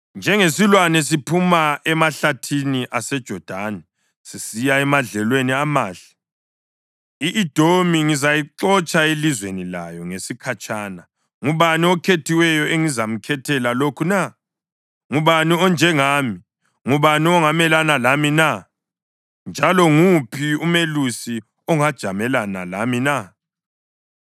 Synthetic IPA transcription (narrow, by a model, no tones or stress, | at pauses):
nd͡ʒʱɛŋesilwanɛs̬ipʰumaʔɛmaɬatʰiniʔasɛd̥ʒ̥ʱɔd̥ʱanɛ | sisijaɛmaɮɛlweniamaːɬɛ̥ | iʔːd̥ʱomiŋizajiǁɔt͡ʃʼaelizwenila̰jɔŋesikʰat͡ʃʰʼaːna | ŋuβaniɔkʰetʰiwɛjɔeŋizam̩kʰɛtʰɛlalokʰuna | ŋuβaniɔnd͡ʒʱɛŋaːmi | ŋuβaniɔŋamɛlanalamina | nd͡ʒʱalɔŋupʰiumelusi | ɔŋad̥ʒ̥ʱamɛlana̰la̰mina